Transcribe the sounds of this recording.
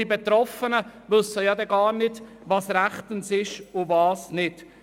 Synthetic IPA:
ibɛt̪ɾɔfənəʋɵsːəjɑdɛɡɑːɾnɪd | ʋɑːsɾæχt̪ənsɪʃʊvɑːsnɪt

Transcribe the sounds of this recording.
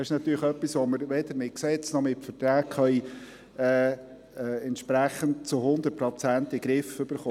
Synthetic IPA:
ɪʃnɑt̪yːɾləχœpːisʋoməɾʋɛd̪əɾmɪksɛt͡snɔmɪtfətɾæːkχœi | ɛː | ɛɛnt̪ʃpɾæχənd̚t͡sʊhʊnd̪ət̚pɾɔt͡sæntiɡɾɪfʏb̥əɾχoː

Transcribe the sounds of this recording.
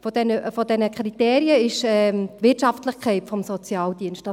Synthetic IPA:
fɔd̥ɛnəfɔd̥ɛnəkʰɾit̪eːɾiəɪʃɛtʋɪtʃɑftləχkʰχɛɪtfɔmsɔt͡sjɑːld̥iənstd̥ɑ

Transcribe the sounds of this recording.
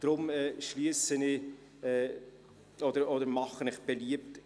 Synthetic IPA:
d̥ɾʊmɛːʃliəsənɪ | ɛː | ɔdəɾɔdəɾmɑχənɪχb̥eliəp̚t

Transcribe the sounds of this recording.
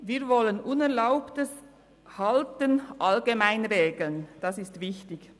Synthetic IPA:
viːɾvɔlənʔʊnɛɐlaʊptəs | hɑltənʔɑlɡemaɪnʁeːɡl̩nd̥ɑsɪstv̥ɪçtɪç

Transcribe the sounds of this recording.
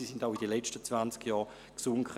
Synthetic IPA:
isindaʊidəlɛt͡ʃtət͡svant͡skjɑːɐ | ksʊŋk

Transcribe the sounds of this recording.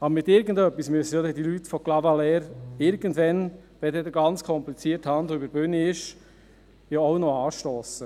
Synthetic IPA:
ɑbəɾmɪt̪ɪɾɡən̩dœpːismyəsəjod̪ɛdilytfɔklɑvɑlɛɾɪɾɡəndʋɛnb̥ɛdɛd̪əɡɑnt͡skʰɔmplit͡siəɾthɑnd̪oybəɾb̥ʏnɪʃ | joɔwnɔɑːʃtoːsə

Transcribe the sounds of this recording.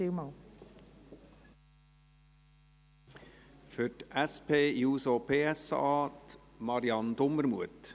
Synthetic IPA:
imɑ | fʏtʔæspʰeːjuːsopʰeːæsɑ̰ːt | mɑɾiɑnd̪ʊmːəɾmṵət

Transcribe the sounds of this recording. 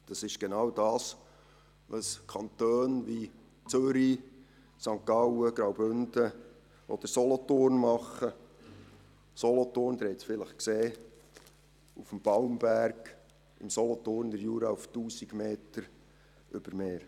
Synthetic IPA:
d̥ɑsɪʃɡ̥enɑwd̥ɑːs | ʋɑskʰɑnt̪øːnʋi | t͡søɾi | sɑŋkɑwəɡɾɑwbʏnd̥ə | ʔɔ̰d̪̥əɾsɔlɔt̪ornmɑχə | sɔlɔt̪oːrnd̥̪əɾhɛt͡sfɪləχkseː | ufəmb̥ɑwmbæɾɡ̥ | ɪmsɔlɔt̪oːrnd̪əɾjuːɾɑuftuːsiɡ̥meːtəɾ | ʔʏb̥əɾmeːɾ

